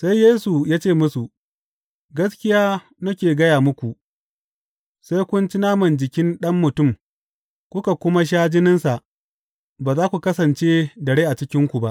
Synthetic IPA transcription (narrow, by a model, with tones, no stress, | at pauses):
sa˦jjːeː˦su˨jaː˦t͡ʃeː˦˨mʊ˦su˨ | ɡɐ˦skʲɪ˦jaː˦ | nɐ˦kʲeː˨ɡɐ˦jaː˨mʊ˦kʷu˨ʔ | sa˦jkʷʊ˦nt͡ʃɪ˦naː˦mɐ˨nd͡ʒɪ˨kʲɪ˦nɗɐ˦mːʊ˨tʊ˦˨m | kʷʊ˦ka˨kʷʊ˦ma˦ʃ̬aː˦d͡ʒɪ˦nɪ˦nsa˨ʔ | baː˨zaː˦kʷu˨kɐ˦sɐ˨nt͡ʃe˦dɐ˨ɽeː˦ʔa˨t͡ʃɪ˦kʲɪ˦ŋkʷu˨ba˦ʔ